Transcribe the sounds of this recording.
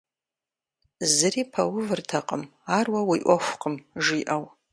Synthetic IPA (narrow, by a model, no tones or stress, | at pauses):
zɨɾipʰawʊvɨrtʰaqʼəmarwawiʔʷaxʷqʼəmʐiʔaw